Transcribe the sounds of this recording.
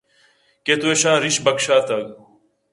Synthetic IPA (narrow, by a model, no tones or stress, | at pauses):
ket̪ueʃãːɾiʃbɐkʃaːt̪ɐɡ